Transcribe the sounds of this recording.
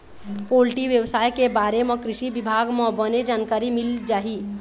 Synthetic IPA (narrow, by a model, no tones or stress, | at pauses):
polʈiʋjebsajkebaɾemekɾisibibʱaɡmebəned͡ʒankaɾimild͡ʒaɦi